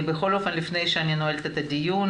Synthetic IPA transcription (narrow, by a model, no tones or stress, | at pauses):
bexo̞lo̞fe̞nlifne̞jʃeaninoelt̪et̪adijun